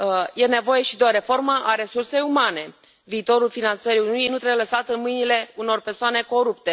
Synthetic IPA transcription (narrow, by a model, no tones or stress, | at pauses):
je̞ne̞vo̞je̞ʃid̪eoɾe̞fo̞rməʔaɾe̞surse̞jumane̞ | viːt̪o̞ɾulfinant̪səɾiununijnut̪ɾeləsat̪ɨnmɨjnile̞uno̞rpe̞rsoane̞ko̞ɾupt̪e̞